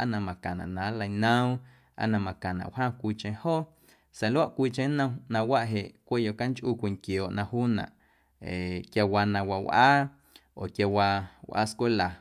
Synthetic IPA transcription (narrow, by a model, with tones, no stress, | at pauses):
ʔa̰˦nã˧mã˨kã˨nã̰˨ʔnã˨˦la˧jnə̃˦w | a̰˦nã˧mã˨kã˨nã̰˨wɦãː˦kʷiː˧t͡ʃẽ˧hoː˦˨ | sa˨lwa˦ʔkʷiː˧t͡ʃẽ˦nə̃˧nã˧wa˦ʔɦe˨ʔkʷe˦˨jo˧˨ka˦ŋt͡ʃʔuː˧kʷi˧˨ŋkjoː˨ʔnã˧huː˦nã̰˨ʔ | e˨kja˧wa˧nã˧wa˧wʔaː˦ | o˨kja˧wa˧wʔa̰˦skʷe˦la˨